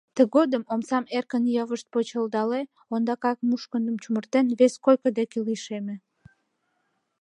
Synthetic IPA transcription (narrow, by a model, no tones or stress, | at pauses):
t̪əɣod̪əmomsɑmerkənjɑβəʃt̪̚pot͡ɕəld̪ɑle | ond̪ɑkɑk̚muʃkənd̪əmt͡ɕumərt̪enβeskojkəd̪ekelijʃeme